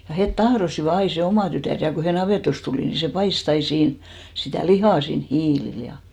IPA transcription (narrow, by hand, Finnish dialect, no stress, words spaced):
jɑ het tɑhrosiʋɑ ɑi se omɑˑ tytæˑr jɑ ko he nɑʋeˑtost tuliˑ ni se pɑist ɑi siːn sitæˑ lihɑˑ siːn hiːlil jɑ